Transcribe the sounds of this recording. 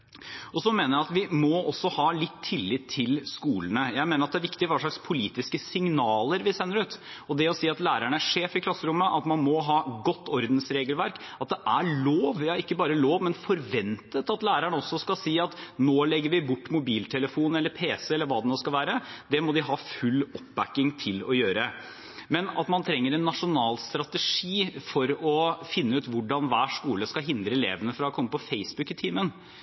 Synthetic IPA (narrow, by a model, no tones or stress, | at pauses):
ʔɔsɔmeːnəɾjæɪɑt̪ʋɪmɔɔsːɔhɑːlɪt̪ʰːɪlːɪt̪ʰːɪlskuːlənəjæɪmeːnəɾɑt̪̚d̪æɾʋɪkt̪ɪɾʋɑːʂɭɑkspʰʊliːt̪ɪskəsɪŋnɑːləɾʋɪsɛnːəɾʉːt̪ɔd̪ɛɔsiːɑt̪læːɾæɳəæʂeːfɪkʰlɑsːəɾʊmːəʔɑt̪mɑnmɔɦɑːɡɔt̪ːɔɾd̪nsɾeːɡəlʋæɾkɑt̪̚d̪ɛʔæɭoːʋɪɑɪkːəbɑːɾəloːʋmɛnfɔɾʋɛnt̪ət̪ɑt̪læːɾæɳəɔsːɔskɑsiːɑt̪noːlɛɡːəɾʋɪbʊʈːmʊbiːlt̪ʰɛləfuːnɛlːəɾpʰeːsəɛlːəɾʋɑːd̪ɛnoːskɑlʋæːɾəd̪ɛmɔd̪ɪɦɑːfʉlːɔpbækːɪŋt̪ʰɪlɔjøːɾə | mɛnɑ̰t̪mɑnt̪ʰɾɛŋːəɾɛnːɑʂʊnɑːlst̪ɾɑt̪əʂiːfɔɾɔfɪnːəʉːt̪ʋʊɖɑnʋæːʂkuːləskɑɦɪnd̪ɾəɛlḛːʋənəfɾɑɔkʰɔmːəpɔfeɪsbʉkɪt̪ʰiːmən